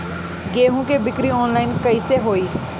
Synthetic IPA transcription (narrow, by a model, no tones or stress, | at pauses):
ɡeːɦũkebɪkɾiɔːnlaːɪnkɐiseɦoːiː